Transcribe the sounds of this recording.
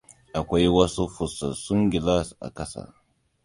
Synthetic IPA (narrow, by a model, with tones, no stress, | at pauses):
ʔa˨kʷa˦jwɐ˦su˦ɸʊ˨sːɐ̰˨sʊ˦ŋɡʲɪ˨la˦sʔa̰˨kɐ˦sa̰˦˨